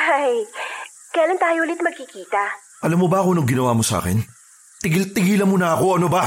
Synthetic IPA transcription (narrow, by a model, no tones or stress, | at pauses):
haj | kɐjalɐnt̪aːjohuːlɪt̪mɐɡ̚kɪkiːt̪ɐ | ʔɐlɐmːobɐɐko̞noŋɡɪnɐwaːmosa̰ːkɛ̰n | t̪ɪɡɪlt̪ɪɡiːlɐnmonɐɐko̞ɐnobɐ